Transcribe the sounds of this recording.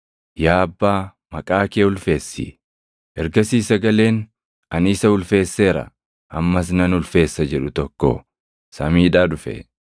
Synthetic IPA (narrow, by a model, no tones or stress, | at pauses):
jaːɐbːaː | mɐkʼaːkeːʊlfe̞ːsːḭ | ʔɛɾɡɐsiːsɐɡɐle̞ːn | ɐniːsɐhʊlfe̞ːsːe̞ːɾɐ̰ | ʔɐmːɐs̬nɐnʊlfe̞ːsːɐd͡ʒɛᶑʊt̪ɔkːo̰ː | sɐmiːᶑaːᶑʊfɛ̰